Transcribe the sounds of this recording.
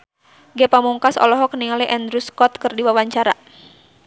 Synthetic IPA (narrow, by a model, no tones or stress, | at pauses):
ɡɛpamuŋkasɔ̰lɔɦɔkəniŋaliʔɛnd̪ɾuskɔt̪̚kərdiwawaɲt͡ʃaɾa